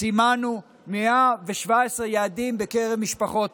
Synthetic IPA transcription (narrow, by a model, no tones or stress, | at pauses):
simanu | meaveʃvaesʁejaːd̪imbekeʁevmiʃpaχo̞t̪